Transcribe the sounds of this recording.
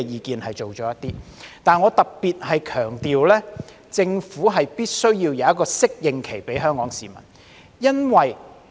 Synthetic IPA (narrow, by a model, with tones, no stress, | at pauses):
jiː˨˧kiː˨˧nhɐ˨jt͡ʃo˨wt͡ʃɔː˨˥jɐ˥t̪iː˥t̪aː˨nŋɔː˨˧t̪ɐ˨k̚piː˨t̚ɦɐ˨jkʰœː˨˩ŋt̪iː˨wlɛː˥ | t͡sɪ˧ŋfuː˨˥ɦɐ˨jpiː˥t̚sɵ˥ɥjiː˧wjɐ˨˧ɐ˥t̚kɔː˧sɪ˥k̚jɪ˨˧ŋkʰe˨˩jpe˨˥jɦœː˥ŋkɔː˨˥ŋsiː˨˩mɐ̰˨˩n | jɐ˥nwɐ˨j